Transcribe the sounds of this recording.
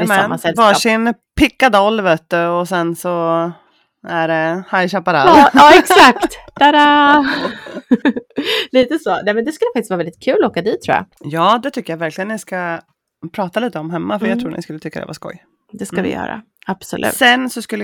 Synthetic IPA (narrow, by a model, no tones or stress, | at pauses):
mɛmːasɛvɑːʂɪnpʰɪkːad̪ɔlːvøːt̪əɔsɛnsɔ | æɖɛhajɕɑpːaɾaɑɑːɛksak̚t̪d̪̥æɾa | liːt̪əsoːnɛmɛnd̪ɛskɵlɛfak̚tɪst̪vɑɾɛldɪt̪̚kʰʉ̟ːlɔoːkad̪iːt̪ʰːɾuːja̰ | jɑːd̪ɛt̪ʰʏkːəjavæɾklɪɡənːɪska | pʰɾɑːt̪aliːt̪əɔmɦɛmːafœɾjat̪ʰɾuːnɪ̰skɵlːət̪ʏkːad̪ɛ̰va̰skɔ̰j | d̪ɛskavɪ̰jœ̰ːɾa̰ | ab̥sɔlʉ̰ːsɛnsɔskɵlː